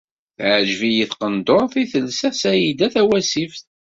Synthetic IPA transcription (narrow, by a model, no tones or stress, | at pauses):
θʕʒvijiθqənd̪oɾˤθiθəlsæsæjid̪æθæwæsifθ